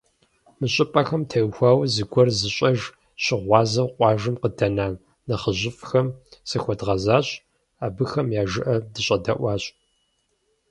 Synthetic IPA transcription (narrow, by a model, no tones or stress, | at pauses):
mɨɕʼɪpʼɐxɐmtʰɐjxʷɑːwzɨɡʷɔrzɨɕʼɐʒ | ɕɪʁʷɑːzɐwqʷʼɑːʒɨmqədɐnaːn | nɐχəʑɪfʼxɐmsɨxʷɔdʁɐzaːɕʼ | aːbɨxɐmjaːʒɨʔɐdɨɕʼɐdɐ̰ʔʷɑːɕʼ